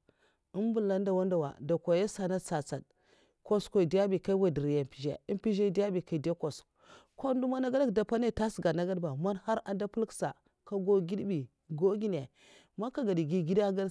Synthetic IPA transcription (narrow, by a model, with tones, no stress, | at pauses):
ə˦nbu˦lːa˦nda˨wa˦nda˨wa̰˨da˨kʷa˨ja˦sa˨na˦t͡sa˨t͡sa˨d | ko˦skʷo˨i˨di˦a˦bi˨ka˦i˦wa˦˨di˨ɾja˨pi˨ʒḛ˨i˦mpi˦ʒe˦da˦bi˨ka˨i˨de˦ko˨s | ko˦n˦du˦ma˦na˦ɡa˦da˦kda˨pa˦na˦˨ta˦sɡa˨na˨ɡa˦dba˨ma˦nha˦ɾa˨da˦pu˦lksa˨ | ka˦ɡo˦ɡi˦dbi˨ | ɡo˦ɡi˦n˨e˨ | ma˦ka˦ɡa˨di˨ɡi˦ɡi˦da˦ɡa˦